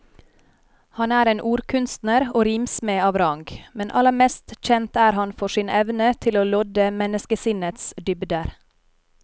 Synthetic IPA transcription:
hɑnæːɾeːnʔuːɾkʰʉnst̪nəɾoːɾimsmeːɑːʋɾɑŋɡmɛnʔɑ̰ləɾmɛst̪c͡çɛnt̪æːɾhɑnfɔʃiːnʔɛʋnət̪ʰɪloːlɔd̪əmɛnəskəsɪnət̪sd̪ʏbd̪əɾ

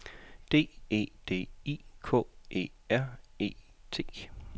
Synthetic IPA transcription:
d̥e̝̰ːe̝̰ːd̥e̝̰ːikʰɔ̰̽ːʔe̝̰ː | æɐ̰e̝̰ː | t͡sʰe̝̰ː

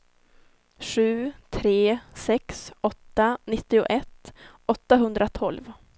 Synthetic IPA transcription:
ɧʉ̟ːt̪ʰɾeːsɛksɔt̪ːanɪt̪ːɪʊ̰ʔɛt̪ːɔt̪ːaɦɵnd̪ɾat̪ʰɔlv

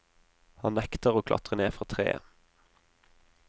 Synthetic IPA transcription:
hɑnnɛkt̪əʁoːkʰlɑ̰t̪ʁəneːfʁɑːt̪ʰʁḛːə̰

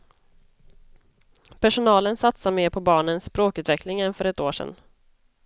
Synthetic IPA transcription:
pʰæʂʊnɑːlənsat̪sameːɾpʰɔbɑːɳənsːpɾoːkʉ̟t̪vɛklɪŋɛnfœɾɛt̪oːʂɛ̰n

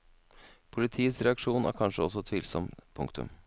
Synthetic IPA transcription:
pʰʊlɪt̪ʰiːəsɾɛɑkʂuːnʔæ̰ːɾkʰɑnʂəɔs̬ːɔt̪ʰʋiːlsɔmpʰʊ̰ŋkt̪ʉ̰m

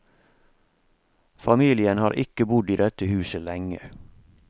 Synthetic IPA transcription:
fɑmiːlɪənhɑːɾʔɪkəbʊd̪iːd̪ɛt̪əhʉːsəlɛŋə̰

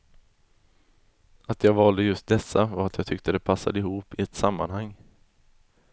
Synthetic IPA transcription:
at̪jɑːɡvɑːld̪əjɵst̪̚d̪ɛsːavaɾat̪ʰjɑːt̪ʰʏkt̪əd̪ɛpʰasːa̰d̪əɪhuːpɪɛt̪samːanhaŋː

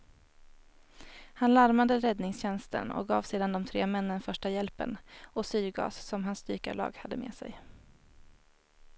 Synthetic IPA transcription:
hanlaɾmad̪əɾɛd̪nɪŋsɕɛnst̪ʰə̰nɔ̰k̚ɡɑːvseːd̪and̪ɔmt̪ʰɾeːmɛnːənfœʂʈajɛlpə̰nɔsyːɡɑ̰ːssɔmɦanst̪yːka̰ɭɑ̰ːɡhad̪ːəmḛːsɛ̰j

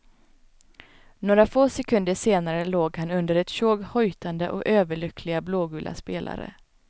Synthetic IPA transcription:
noːɾafoːsɛkʰɵnd̪əʂeːnaɾəloːɡhanɵnd̪əɾɛt̪ɕoːɡhɔjt̪ʰand̪əʔɔ̰køːvəɭʏkʰlɪɡabloːɡʉːlʔa̰speːla̰ɾə̰

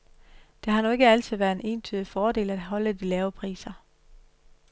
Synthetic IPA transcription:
d̥e̝ɦɑ̈nue̝ɡ̥əæl̰t͡sʰið̞ˠʋæːɐene̝ːnt͡sʰyðˠifɒːde̝̰ːlæd̥ɦɒ̽ləd̥ilɛːʊpʰʁḭːsɐ

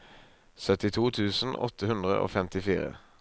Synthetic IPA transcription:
sœt̪ɪt̪ʰuːt̪ʰʉːsn̩ɔ̰t̪ʰəhʉnd̪ʁəʔo̰ːfɛmt̪ɪfiːʁə̰

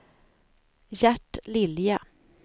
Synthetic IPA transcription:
jæʈːlɪlja

